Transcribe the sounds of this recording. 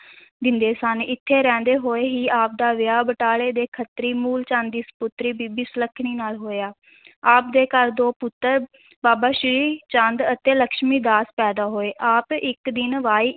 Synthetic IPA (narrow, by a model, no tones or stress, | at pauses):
d̪ɪnd̪eːsənɪt̪ʰːeːɾɛ̃ːnd̪eːɦoːeːɦiːaːp̚d̪aːʋɪjaːbəʈaːɭeːd̪eːkʰət̪ɾiːmuːlt͡ʃãnd̪d̪iːspʊt̪ɾiːbiːbiːsələkʰɳ̃iːnaːlɦoːeaː | aːpd̪eːkəɾd̪oːpʊt̪ːəɾ | baːbaːʃɪɾiːt͡ʃə̃nd̪ət̪eːləkʃmiːd̪aːspɛːd̪aːɦoːeːʔaːpɪkd̪ɪnʋaːiː